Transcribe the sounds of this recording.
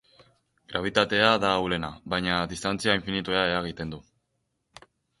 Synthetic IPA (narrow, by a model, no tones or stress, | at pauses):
ɡ̥ɾʔaβ̞it̪at̪e̞aðaːwle̞naβajɲaðist̪ant͡siaiɱfinit̪ueae̞ɾaɣ̞it̪e̞nd̪u